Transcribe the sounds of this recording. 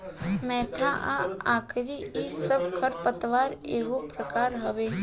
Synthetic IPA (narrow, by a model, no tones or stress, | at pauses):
mɛt̪ʰaʔaãkʰɾiisəb̚kʰəɾpət̪ʋaɾeʋũpɾəkaɾɦəʋe